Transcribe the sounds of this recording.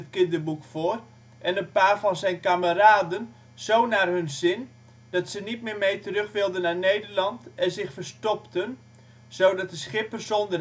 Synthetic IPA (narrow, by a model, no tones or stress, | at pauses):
ətkɪndərbukfʊːr | ʔɛnənpaːrfɑnzɛjnkaməraːdən | z̥ownaːrɦɵnzɪn | d̥ɔtsənit̚mɪːrmejtərøχʋɪlˠdənːarnejdərlɑntɛnzɪxfərstɔptən | z̥oːdɑt̚dəsχɪpərsondər